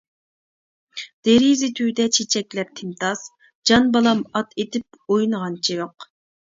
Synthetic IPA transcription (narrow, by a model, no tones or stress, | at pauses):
d̪̥eɾizɪt̪ʰyːd̪ɛt͡ʃʰet͡ʃʰɛkʲlɛp̚t̪ʰɪmt̪ʰɑs | d͡ʒɑnbɑlˠɑmɑt̪ʰet̪ʰɪp̚ojnəʁɑnt͡ʃʰijoq